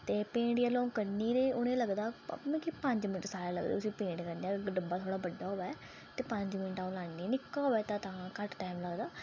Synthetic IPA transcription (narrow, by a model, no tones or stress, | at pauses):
t̪eːpẽːɖjaːlɔ̃ːkəɾniːɾeːʊnẽːləɡd̪aːmɛ̃ːkipə̃ɲd͡ʒmɪnəʈsaːɾaːlə̰ɡd̪ḛːʊsĩːpẽːɳɖkəɾneaːɡəɖəmbaːt̪ʰoːɽaːbəɖːaːɦoːaɛ | t̪eːpə̃ɲd͡ʒmɪnʈaːũlaːnːiːnɪkːaːɦoɛːt̪ãːt̪ãːkəʈʈaːmləɡd̪aː